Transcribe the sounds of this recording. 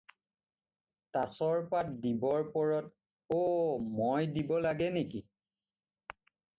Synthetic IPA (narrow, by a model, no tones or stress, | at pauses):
tasɔɹpat̚dibɔɹpɔɹɔt | omojdibɔlaɡɛneki